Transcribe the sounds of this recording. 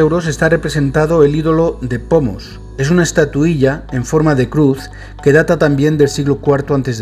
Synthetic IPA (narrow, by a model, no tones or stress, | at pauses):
ewɾo̞se̞st̪are̞pɾe̞sẽ̞nt̪að̞o̞e̞liðo̞lo̞ðe̞po̞mo̰s | e̞sunaest̪at̪uiʎae̞ɱfo̞ɾmaðe̞kɾuθ | ke̞ð̞at̪at̪ambje̞nd̪e̞lsiɣlokwaɾt̪oant̪e̞z